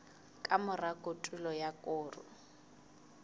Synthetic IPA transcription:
kʼamʊrakʼotʼulɔjakʼʊːrʊ̰

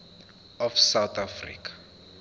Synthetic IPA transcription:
ɔfsawt̪ʰafrḭkʰḁ

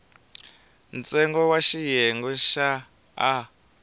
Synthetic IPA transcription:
nt͡sʼɛŋɡɔwaʃijɛŋɡɔʃaː

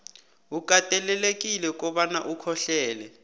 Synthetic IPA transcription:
uk̬ʼatʼɛlɛlek̬ʼilɛk̬ʼɔɓanaʔukʰɔɬɛːlɛ

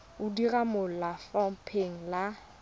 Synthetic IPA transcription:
ʊdiramʊl̩lafɔm̩pʰeŋ̩la

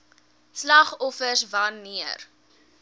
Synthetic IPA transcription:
slɐχɔfərsvɐnːiər

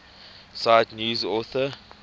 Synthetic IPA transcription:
sajdnjuːzɔθə

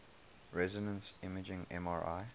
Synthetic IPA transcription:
ɹɛzɪnə̃nsɪməd͡ʒɪ̃ŋɛ̰̃maɹa̰ɪ

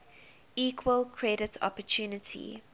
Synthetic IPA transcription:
iːkʰwəlkʰɹɛdətʰɔ̰pətʰjuːnətʰḭ

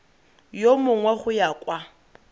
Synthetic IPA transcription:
jomʊŋwɛχʊjakʼwa

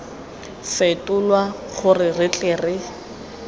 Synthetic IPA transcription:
sɪtʼʊlwa | χʊrɪrɪt͡ɬʼɛːrɪ

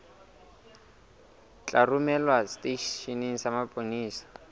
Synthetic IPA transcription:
t͡ɬʼarumɛlwasteʃʃiniŋ̩samapʼoniːsḁ

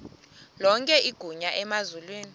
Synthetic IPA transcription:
lɔŋkʼɛʔiɡ̥ʱuɲaʔɛmazulweːni

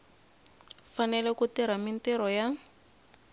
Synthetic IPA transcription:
fanɛlɛkutiɾamin̩tɛɾɔja

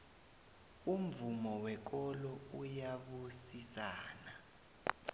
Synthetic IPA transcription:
um̩vumɔwɛk̬ɔlɔujaɓusisaːna

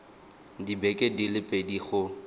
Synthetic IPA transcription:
dibɛkʼedilɪpʼediχʊ

